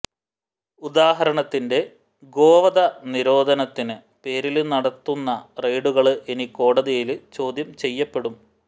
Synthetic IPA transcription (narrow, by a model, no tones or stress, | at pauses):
ud̪aːɦɐɾɐɳɐt̪ːinde̞ | ɡo̞ːʋɐd̪ɐniɾo̞ːd̪ʱɐnɐt̪ːinɨ | pe̞ːɾilnɐɽɐt̪ːunːɐrejɖuɣɐɭɨʔe̞niko̞ːɽɐðijilt͡ɕo̞ːd̪ʱjɐmt͡ɕe̞jːɐpːe̞ɽum